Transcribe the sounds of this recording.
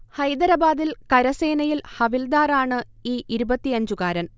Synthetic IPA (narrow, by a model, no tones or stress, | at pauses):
hɐjd̪ɐɾɐbaːd̪ilkɐɾɐse̞ːnɐjilhɐʋild̪aːraːɳɨiːʔiɾubɐt̪ːiɐɲd͡ʑukaːɾɐn